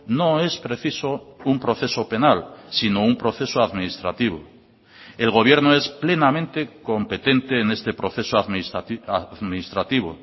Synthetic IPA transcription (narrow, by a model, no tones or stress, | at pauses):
no̞e̞spɾe̞θiso̞umpɾo̞θe̞so̞pe̞nalsinoumpɾo̞θe̞soaðminist̪ɾat̪iβo̰ | e̞lɣo̞β̞je̞ɾnoe̞sple̞namẽnt̪e̞ko̞mpe̞t̪e̞nt̪e̞ːne̞st̪e̞pɾo̞θe̞soaaðminist̪ɾat̪iβ̞o̰